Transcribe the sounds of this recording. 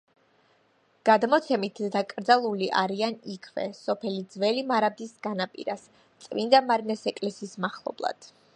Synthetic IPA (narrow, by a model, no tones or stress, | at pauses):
ɡ̥ad̪mɔt̪sʰɛmit̪ʰd̪akʼɾd̪zalˠuliʔaɾianikʰvɛ̰sɔpʰɛlid̪zvɛlimaɾab̚d̪isɡanapʼḭɾas | t̪sʼmind̪amaɾinɛsɛkʼlɛsiːsmaχlˠɔ̰blˠa̰d̪̥